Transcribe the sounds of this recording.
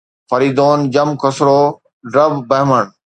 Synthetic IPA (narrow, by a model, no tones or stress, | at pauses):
fɐɾiːd̪oːnd͡ʑɐmkʰɐsɾoː | ɖɾɐbbɐɦməɳ